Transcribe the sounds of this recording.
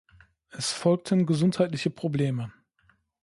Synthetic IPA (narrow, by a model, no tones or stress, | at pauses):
ʔɛsfɔlk̚tʰənɡəzʊnthaɪtlɪçəpʁ̥obleːmə